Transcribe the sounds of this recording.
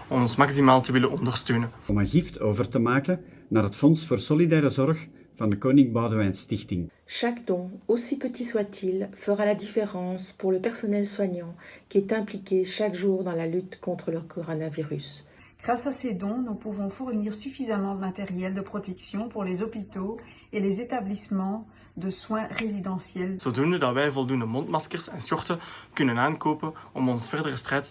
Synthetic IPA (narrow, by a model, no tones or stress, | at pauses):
ɔmɔ̃nsmaksimaːlt̪əʋɪlənʔɔ̃nd̪əʁst̪øːnəɔmə̃nɣiftʰoːvərtəmaːkənnaːrɦət̪fɔnsfoːrsɔlidɛːɾəzɔrx | v̥ɑnd̪əkoːnɪŋbawdəʋɛjnst̪ɪxtɪŋ | ʃakd̪ɔ̃osipət̪iswat̪ʰilfəʁalad̪ifeʁɑ̃spuʁləpɛʁsɔnɛlswaɲɑ̃kʲiɛt̪ɛ̃plikʲeʃakʒuːʁd̪ɑ̃lalyt̪kɔ̃t̪χələkʰɔʁɔnaviʁys | ɡ̥ʁasased̪ɔ̃nupuvɔ̃fuʁniːʁsyfizamɑ̃ləmat̪eʁjɛld̪əpχɔt̪ɛksjɔ̃puʁlezɔpit̪o | elezet̪ablismɑ̃ | d̪əswɛ̃ʁezid̪ɑ̃sjɛlsod̪unəd̪aʁbɛjvɔlˠd̪und̪əmɔ̃nt̪maskəʁsɛ̃nsɔʁt̪əkynənaːnkoːpəɔmɔ̃nsfɛʁd̪əʁəst̪χɛt̪